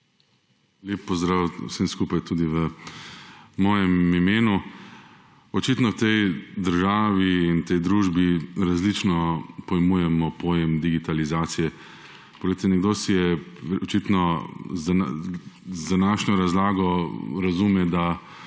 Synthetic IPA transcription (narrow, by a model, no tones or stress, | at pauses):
lʲjeːpːɔzd̪ɾawsemskuːpajt̪uːd̪iʋə | mɔːjɛmimeːnu | ɔt͡ʃit̪nɔwt̪ɛjd̪əɾʒaːʋiːnt̪ɛjd̪ɾuːʒbiɾazlit͡ʃnɔpɔjɛmuːjɛmɔpoːjɛmd̪iɡit̪alizaːt̪sijɛ | pɔɡlet̪ɛnɛɡd̪osijɛɔt͡ʃit̪nɔzan | zd̪anaʃɲɔɾazlaːɡɔɾɐzumɛd̪a